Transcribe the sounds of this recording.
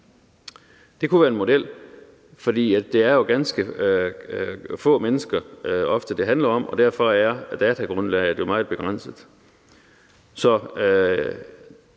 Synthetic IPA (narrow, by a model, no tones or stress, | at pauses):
d̥e̝kʰuʋæːɐenmo̝d̥el̰ | fɒd̥ḭːæd̥e̝æɐjo̝ɡ̥ænsɡ̥ə | fɔ̰̽ːmenəsɡ̥ɐɒ̽fd̥əd̥e̝ɦænlɐɒ̽m̰ʔɒ̽d̥æɐ̰fɒ̽æɐd̥ɛːt͡sʰæɡ̥ʁɔ̽nlɛɪd̥jo̝mɑ̈ːð̩ˠb̥e̝ɡ̥ʁɑ̈n̰səð̩ˠ | sɒ̽